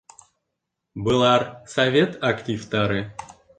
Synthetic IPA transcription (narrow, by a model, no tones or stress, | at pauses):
bɨlˠɑrsɐvʲet̪ʰaktʲift̪ɑɾɨ